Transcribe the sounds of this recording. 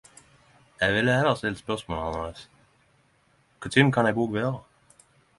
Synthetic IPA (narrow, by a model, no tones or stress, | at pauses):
jæʋɪlːəhɛləʁst̪ɪlt̪spœʁsmoːlɑnəʁes | kʰʊt̪ʰɪmkʰɑnɛɪɡoːɡʋeːʁə